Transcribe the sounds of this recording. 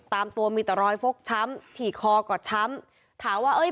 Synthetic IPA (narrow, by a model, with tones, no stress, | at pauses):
t̪aː˧mt̪u˧ɐmiː˧˩t̪ɾɔː˧jfo˦˥k̚t͡ɕʰa˦˥mt̪ʰiː˨˩kʰɔː˧kɔː˨˩t͡ɕʰa˦˥m | t̪ʰaː˩˦mwaː˥˩ʔɤː˦˥˩